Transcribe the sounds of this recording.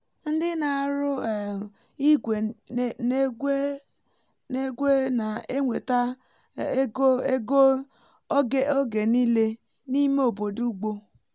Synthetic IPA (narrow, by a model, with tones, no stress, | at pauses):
n̩˦dɪ˦na˨a˨ɾʊ˦˨ | i˦ɡʷe˨n˦e˦ | ne˦ɡʷe˦na˨e˦ŋʷe˨ta˦ | ɡo˦e˦ɡo˦ | ɡe˨o˦ɡe˨ni˦le˦ | ni˦me˦o˨bo˨du˦ɡ͡bo˦